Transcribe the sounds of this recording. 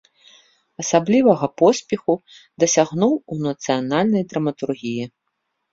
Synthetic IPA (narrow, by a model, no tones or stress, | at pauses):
ɐsablʲivɐɣɐpɔsʲpʲɛxu | d̪ɐsʲaɣnuwunɐt̪sɨjanalʲnɐjd̪ɾɐmɐt̪urɣʲiji